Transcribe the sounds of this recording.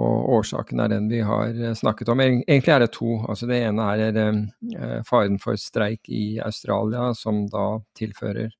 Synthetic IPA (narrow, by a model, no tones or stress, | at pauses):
ɔ̰oːʂɑ̰ːkənæ̰ɖɛnʋɪɦɑ̰ɾsnɑkːət̪ɔmeːɡənt̪lɪæɖɛt̪ʰuːɑ̰lsɔd̪ɛeːnəæɾæɾ | fɑːɾənfɔ̰ɾst̪ɾæɪkɪɑ̰ʉst̪ɾɑːlɪɑsɔmd̪ɑːt̪ʰɪlfø̰ːɾə̰ɾ